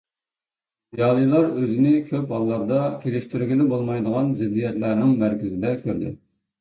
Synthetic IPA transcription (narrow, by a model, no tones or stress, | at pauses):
jɑːlˠɨjlˠɑɾøzɪnɪkʲʰøp̚hɑlˠːɑɾd̪ɑkʲʰelɪʃt̪yɾɡʲilɪbolˠmɑjd̪əʁɑnzɪd̪ːijɛt̪læɾnɪŋmæɾkʲɪzɪd̪ɛkʲʰøɾd̪ɪ̰